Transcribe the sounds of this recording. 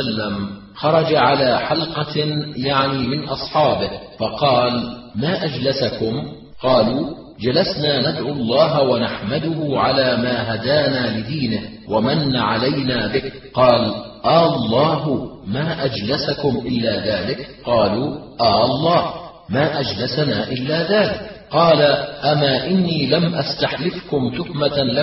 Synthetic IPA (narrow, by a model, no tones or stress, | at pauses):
alːam | xɑɾˤɑd͡ʒaʕalaːħɑlqɑjaʕniːmɪnʔɑsˤħɑːbɪhfɑqɑːl | maːʔad͡ʒlasakʊm | qɑːluː | d͡ʒalasnaːnad̪ʕʊɑlˤːɑːɦawanaħmad̪ʊɦʊʕalaːmaːɦad̪aːnaːlɪd̪iːnɪh | wʔamanːaʕalajnaːbɪk | qɑːlʔaːʔlˤːɑːɦʊmaːʔad͡ʒlasakʊmʔɪlːaːðaːlɪkqɑːluːʔaːʔɑlˤːɑːh | maːʔad͡ʒlasanaːʔɪlːaːðaːlɪkqɑːlaʔamaːʔɪnːiːlamʔast̪aħlɪfkʊmt̪ʊhmat̪ala